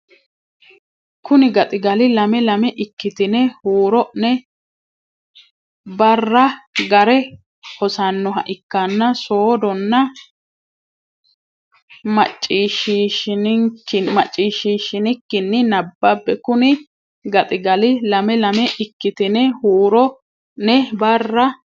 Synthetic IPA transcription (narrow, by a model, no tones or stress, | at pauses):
kʊnɪɡɐt̪ʼɪɡɐlɪlɐmɛlɐmɛʔɪkːɪt̪ɪnɛhuːɾɔʔnɛ | bɐrːɐɡɐɾɛ | hɔsɐnːɔɦɐ̰ʔɪkːɐnːɐsoːd̪ɔnːɐ | mɐt͡ʃʼːiːʃiʃɪnɪŋkːɪmɐt͡ʃʼːiːʃːiːʃɪnɪkːɪnːɪnɐbːɐbːɛkʊnɪ | ɡɐt̪ʼɪɡɐlɪlɐmɛlɐmɛʔɪkːɪt̪ɪnɛhuːɾɔ | nɛbɐrːɐ